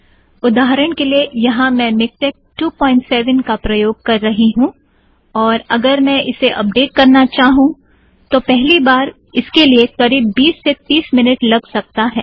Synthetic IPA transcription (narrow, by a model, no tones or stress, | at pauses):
ʊd̪aːɦɾəɽ̃keliejɐɦãmɛ̃mɪkt͡ʃɛk̚ʈuːpɔ̃ːɪ̃ɳʈsɛːʋənkapɾɐjoːɡ̚kɐɾːɐɦiɦũ | ɔːɾɐɡəɾmɛ̃ʔɪseʔɐ̰p̚ɖeːʈ̚kɐɾnat͡ʃaːɦũ | t̪opɛɦlibaːɾ | ɪskeliekɐɾiːbːiːsːet̪iːsmɪnɪʈlɐɡsɐk̚t̪aɦɛː